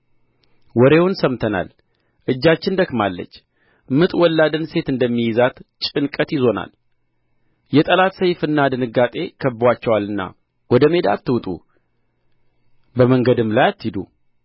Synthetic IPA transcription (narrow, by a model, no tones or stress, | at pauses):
wɔɾe̞wʊnsəmt̪ʰəna̰l | ʔɨd͡ʒːat͡ʃːɪnd̪əkmalːə̰t͡ʃː | mɨt̪ʼwɔlːad̪ɨnse̞t̪ɨnd̪əmːijɪzat̪t͡ʃʼɨnkʼət̪jizo̞na̰l | jɛt̪ʼəlat̪səjfɨnːad̪ɨnɨɡat̪ʼe̞kʰəbwat͡ʃːɛwalːɨnːa̰ | wɔd̪əme̞d̪a̰t̪ːɨwt̪ʼṵ | bəməŋɡəd̪ɨmlajat̪ːid̪ṵ